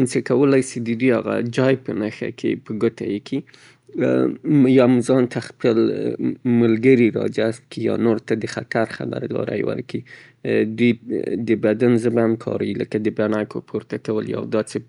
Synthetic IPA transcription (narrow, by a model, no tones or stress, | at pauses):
nt͡səkawəlajsid̪əd̪ujaɣa̰d͡ʒɑjpənaxa̰kʰepəɡot̪ajekʰi | jɑmzɑnt̪ʰaxpəl | məlɡəɾiɾɑ̰d͡ʒast̪̚kijɑ̰noɾt̪ad̪əxat̪aɾxa̰ba̰ɾd̪ɑ̰ɾa̰jwə̰ɾki | d̪ujd̪əbad̪anzəbaamkʰɑ̰ɾ̰wiləkad̪əbanakʰopʰoɾt̪akawəlja̰wd̪ɑt͡se